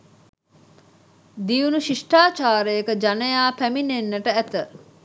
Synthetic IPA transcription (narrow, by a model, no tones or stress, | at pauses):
d̪iunuʃiʂʈaːt͡ʃaːɾəjekəd͡ʒanəjaːpæminenːəʈəæt̪ə